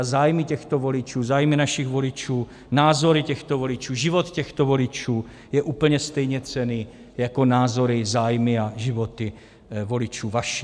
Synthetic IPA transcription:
zaːjmɪcɛxt̪ovo̞lɪt͡ʃuːzaːjmɪnaʃiɣvo̞lɪt͡ʃuː | naːzo̞ɾɪcɛxt̪ovolɪt͡ʃuːʒɪvot̪cɛxt̪ovo̞lɪt͡ʃuː | jɛʔuːpl̩ɲɛst̪ɛjɲɛt͡sɛniː | jako̞naːzo̞ɾɪzaːjmɪaʒɪvot̪ɪ | vo̞lɪt͡ʃuːvaʃi

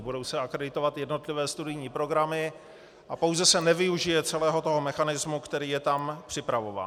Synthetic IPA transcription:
budo̞wsɛakɾɛdɪt̪o̞vat̪jɛdno̞t̪lɪvɛːst̪udɪjɲiːpɾo̞ɡɾamɪ | ʔapo̞wzɛsɛnɛvɪuʒɪjɛt͡sɛlɛːɦo̞t̪o̞ɦomɛxanɪzmukt̪ɛɾiːjɛt̪ampr̥ɪpɾavo̞va̰ː

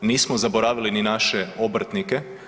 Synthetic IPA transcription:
niːsmozaboɾaːʋilininaʃeobɾt̪nike̞

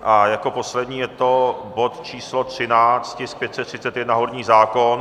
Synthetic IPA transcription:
ʔajako̞po̞slɛd̪ɲiːjɛt̪o̞bo̞t̪t͡ʃiːslot̪r̝̥ɪnaːt͡st̪cɪsk̚pjɛt̪sɛt̪ːr̝̥ɪtt͡sɛt̪jɛdnaɦoɾɲiːzaːkon

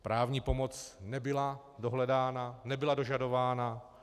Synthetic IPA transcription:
pɾʔaːvɲiːpo̞mo̞t͡snɛbɪla | doɦlɛdaːnanɛbɪlado̞ʒado̞vaːna

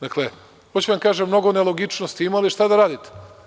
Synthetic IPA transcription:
d̪akle | xot͡ɕuʋaŋkaːʒemːno̞ɡo̞neloɡit͡ʃnost̪iimaaliʃt̪ad̪aɾaːd̪it̪e̥

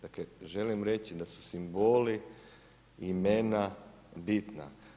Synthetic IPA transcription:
d̪̥akleʒe̞limɾe̞t͡ɕid̪asu̥simboli | imena | bit̪na̰

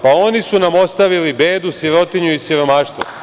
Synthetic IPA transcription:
paonisunamo̞st̪aʋilibeːd̪usiɾo̞t̪iɲuisiɾo̞maːʃt̪ʋṵ

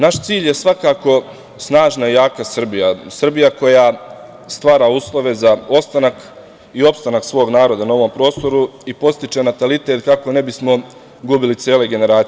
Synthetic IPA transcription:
naʃt̪siːʎje̞sʋakaːko̞ | snaːʒnaijaːkasr̩bijasr̩bijako̞jaː | st̪ʋaːɾaːuːslˠo̞ʋe̞zao̞st̪anak | io̞pst̪anaksʋo̞ːɡnaːɾo̞d̪anao̞ʋo̞mpɾo̞ːst̪o̞ɾuipo̞st̪it͡ʃe̞nat̪alit̪e̞t̪kako̞ne̞bismo̞ | ɡubilit̪sjeːleɡe̞ne̞ɾaːi

